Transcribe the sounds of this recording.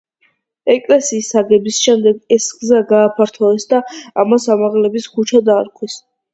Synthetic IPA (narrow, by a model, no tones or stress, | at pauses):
ɛkʼlɛsiːsːaɡɛbisʃɛmd̪ɛɡɛsɡzaɡaːpʰaɾt̪ʰɔɛsd̪aamasamaʁlɛbiskut͡ʃʰad̪aːɾkʼʰwis